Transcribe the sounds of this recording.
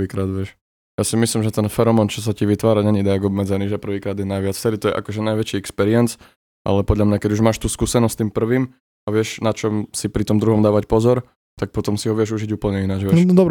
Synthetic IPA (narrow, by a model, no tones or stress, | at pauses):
ʋiːkɾaːd̪ʋɪɛʃ | jasimislimʒɛt̪ɛnfɛɾɔmɔnt͡ʃɔs̬aciʋit̪ʋaːɾaɲɛɲid̪ɛaɡɔbmɛd͡zɛniːʒɛpr̩ʋiːkɾaːd̪jɛnajʋɪat͡sft͡st̪ɛɾit̪ɔjɛ̰ʔa̰kɔʒɛnajʋɛt͡ʃiɛkspɛɾiɛnt͡s | ʔa̰lɛpɔd̪ʎamɲakɛɟuʒmaːʃt̪uːskuːsɛnɔst̪iːmpr̩ʋiːm | aʋɪɛʃnat͡ʃɔmsipɾit̪ɔmd̪ɾuɦɔmd̪aːʋacpɔzɔɾ | t̪ak̚pɔt̪ɔmsiɦɔʋɪɛʒuʒiɟuːpl̩ɲɛinad͡ʒʋɛd̪ɔbɾ